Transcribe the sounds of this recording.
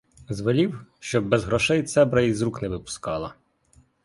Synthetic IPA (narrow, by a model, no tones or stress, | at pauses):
zʋɪlʲiwʃt͡ʃɔbːɛzɦɾɔʃɛjt̪sɛbɾɐizɾuknɛʋɪpʊ̥skɑlˠɐ